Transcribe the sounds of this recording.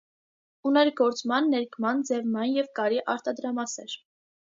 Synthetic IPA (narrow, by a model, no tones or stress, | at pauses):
unɛɾɡɔɾt͡smɑnːɛɾkʰmɑnd͡zɛvmɑnjɛvkɑɾiʔɑɾt̪ɑd̪ɾɑmɑsɛɾ